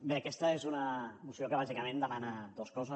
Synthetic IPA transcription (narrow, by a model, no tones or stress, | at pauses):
beɐkɛst̪əezunəmusiokəβ̞azikəmẽnd̪əmanəd̪oskɔzə